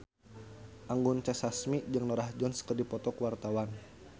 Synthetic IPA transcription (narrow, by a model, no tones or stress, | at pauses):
ʔaŋɡunt͡ʃɛsasmid͡ʒəŋnɔɾahd͡ʒɔnskərdipɔt̪ɔkəwart̪awan